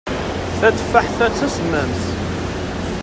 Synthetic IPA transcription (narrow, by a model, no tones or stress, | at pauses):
θæt͡sːfaħθæt͡sːæsmːæmθ